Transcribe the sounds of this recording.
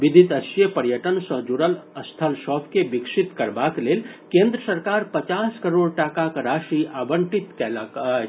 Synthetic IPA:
bid̪ʱit̪əsjəpəɾjəʈənsə̃d͡ʒuɽələst̪ʰəlsɔpʰkebiksit̪kəɾbaklelkẽnd̪ɾəsəɾkaɾpət͡ʃaskəɾoɽʈakakɾaʃiabəɳʈit̪kɛlak

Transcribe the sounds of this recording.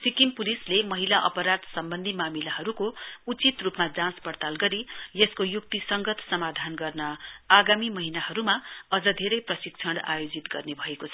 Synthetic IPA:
sikimpulislemʌɦilaʔʌ̰pʌɾad̪sʌmbʌnd̪ʱimamilaɦʌɾukout͡sit̪rupmad͡zãspʌɽt̪alɡʌɾijeskojuk̚t̪isʌŋɡʌt̪sʌmad̪ʱanɡʌrnʌaɡamimʌɦinaɦʌɾumaʌd͡zʌd̪ʱeɾʌjprʌsik̚t͡sʰʌɽa̰jod͡zit̪ɡʌrnebʱʌekot͡sʰʌ

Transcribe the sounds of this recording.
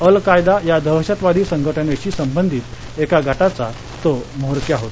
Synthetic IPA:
əlkajd̪ajad̪ʱəʋəɕət̪ʋad̪ʱiːsəŋɡʱəʈʰəneɕiːsəmbənd̪ʱiːt̪ | ekaɡʱaʈat͡sa | t̪omoɦɾkjaɦot̪

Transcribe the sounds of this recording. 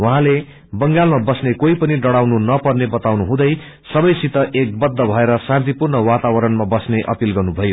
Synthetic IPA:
wuɦãle | bʌŋɡalmabʌsnekoipʌniɖʌɽawnunʌpʌrnebʌt̪awnuɦũd̪ʌj | sʌbʌjsit̪ʌʔek̚bʌd̪ʱːʌbʱʌeɾʌsãnt̪ipurnʌwat̪awʌɾʌnmabʌsneʔʌ̰pilɡʌrnubʱʌjo

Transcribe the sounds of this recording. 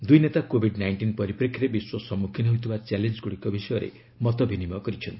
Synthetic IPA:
d̪ujnet̪akobʱiɖnajɳʈinpɔɾipɾekʰːɾebiswɔsɔmukʰinɔɦut̪ʰibat͡ʃɛlend͡ʒɡuɽikɔbisɔjɔɾḛ | mɔt̪ɔbʱinimɔkɔɾit͡ʃʰɔnt̪ii

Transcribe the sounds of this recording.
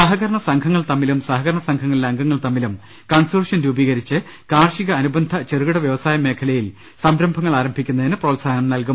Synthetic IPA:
sɐɦɐɣɐɾɐɳɐsɐŋkʰɐŋːɐɭt̪ɐmːilumsɐɦɐɡɣɐɾɐɳɐsɐŋkʰɐŋːɐɭileɐŋɡɐŋːɐɭt̪ɐmːilum | kɐnsurɐʂɐnɾuːbiːɣɐɾit͡ɕːɨ | kaːrʂiɣɐːnubɐnd̪ʱɐt͡ɕeruɣɨɽɐʋjɐʋɐsaːjɐme̞ːkʰɐlɐjil | sɐmɾɐmbʱɐŋːɐɭaːɾɐmbʱikʲːunːɐðinɨproːtsaːnɐmnɐlku

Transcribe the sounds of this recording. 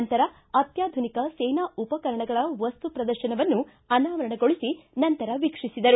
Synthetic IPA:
nt̪ɐɾɐ | ɐt̪jaːd̪ʱunikɐsɛjnaːupɐkɐɾɐɳɐɡɐɭɐʋɐst̪upɾɐd̪ɐɾʃɐnɐʋɐnːu | ɐnaːʋɐɾɐɳɐɡoɭisinɐnt̪ɐɾɐʋikʂisid̪ɐɾu

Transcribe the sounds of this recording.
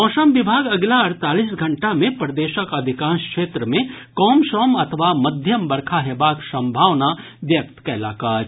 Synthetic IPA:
ɔːʃəmʋɪbʱaːɡɐɡlaɐɾt̪aːlisɡʱɐɳʈamẽpɾəd̪eːʃəkɐd̪ʱɪkãːnskʃeːt̪ɾəmẽ | kɔːmʃɔːmɐt̪ʰʋamɐd̪ʱjəmbɐɾkʰaɦebaːksɐ̃mbʱaːʋnaʋjɐk̚t̪kɛːla̰ːkaːɾ

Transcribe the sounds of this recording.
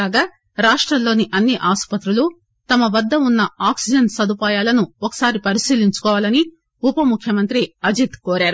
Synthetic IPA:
aːɡaː | ɾaːʂʈɾɐllo̞ːniʔɐnːiʔaːspɐt̪ɾulu | t̪ɐmɐʋɐd̪ːɐunːɐaːksid͡ʒɐnsɐd̪upaːjaːlɐnuɔkɐ̥saːɾipɐɾisiːliɲt͡ʃu̥kɔːʋaːlɐni | upɐmukʰjɐmɐnt̪ɾiɐd͡ʒit̪koːɾaːɾu

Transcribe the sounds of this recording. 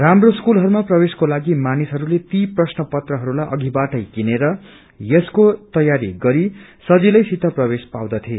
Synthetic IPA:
ramroskulɦʌɾumaprʌbeskolaɡimanisɦʌɾulet̪iprʌsnʌpʌt̪rʌɦʌɾulajʔʌɡibaʈʌjkineɾʌ | jʌskot̪ʌjaɾiɡʌɾisʌd͡zilʌjsit̪ʌprʌbespa̰wd̪ʌt̪ʰie

